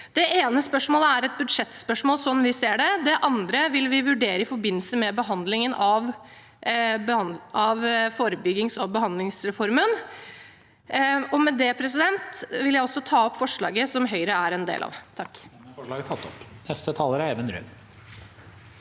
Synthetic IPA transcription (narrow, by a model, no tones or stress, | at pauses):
d̪̥ɛʔeːnəspœʂmoːləæɾɛt̪̚bʉd̪ʂɛt̪spœʂmoːlsɔnʋɪseːɖɛd̪ɛʔɑnd̪ɾəʋɪlʋɪʋʉɖeːɾəɪfɔɾbɪnːl̩səmɛbəɦɑnd̪lɪŋənʔɑʋ | bəɑɑʋfoːɾəbʏɡːɪŋsɔbəɦɑnd̪lɪŋsɾɛfɔɾmən | ɔmɛd̪ɛpʰɾɛs̬ɪd̪ɛnt̪ʋɪljæɪɔsːɔt̪ʰɑːɔpːfɔʂɭɑ̰ːɡəsɔmɦœʏɾəæɾɛnd̪ḛːlɑ̰ːʋt̪ʰɑkːfɔʂlɑːɡət̪ʰɑt̪ːɔpnɛst̪ət̪ʰɑːləɾæeːʋənɾʏ̰n